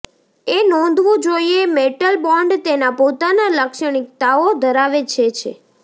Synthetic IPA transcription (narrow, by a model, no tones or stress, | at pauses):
enɔ̃nd̪ʱʋũd͡ʒoiemeʈəlbɔɳɖt̪enapot̪analəkʃəɽ̃ik̚t̪aod̪ʱəɾaʋet͡ʃʰet͡ʃʰḛ